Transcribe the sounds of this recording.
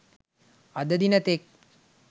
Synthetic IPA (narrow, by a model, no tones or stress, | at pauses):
ɐd̪ɐd̪inɐt̪ek̚